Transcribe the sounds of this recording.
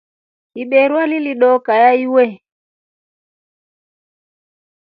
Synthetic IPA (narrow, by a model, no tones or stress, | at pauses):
iɓɛɾwaliliɗɔkajaiwɛ